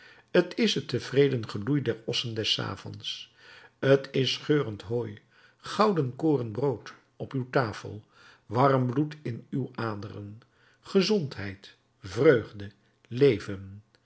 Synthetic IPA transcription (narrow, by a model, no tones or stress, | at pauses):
ətʰɪsətəv̥rejdənχəlujdɛɹɔsəndɛsa̰ːvɔ̰ns | ətɪsχøːrəntɦoːj | χɑwdənkoːrənbrowt | ɔpywtaːfə̰lˠ | ʋɑrmblutɪnywaːdərə̰n | χəzɔntɦɛjt | vrøɥχdə | lejvən